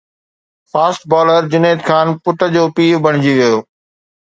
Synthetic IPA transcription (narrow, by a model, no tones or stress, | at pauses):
faːsʈ̚bɔːləɾd͡ʑʊneːt̪kʰaːnpʊʈəd͡ʑoːpiːbɐɽ̃ɪd͡ʑiʋijoː